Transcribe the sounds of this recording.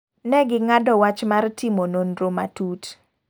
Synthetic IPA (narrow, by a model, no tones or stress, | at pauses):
nɛɡɪŋadɔwat͡ʃmartimononɾoma̰tut